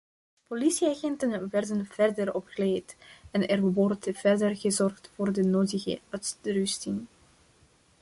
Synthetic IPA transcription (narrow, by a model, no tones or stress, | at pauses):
polisiaɣɛntənʋɛrdənv̥ɛrdəɾɔpkleːtɛnɛrʋɔrtv̥ɛrdərɣəzɔrxtfoːrdənoːdəɣə̰œtdrʏstɪŋ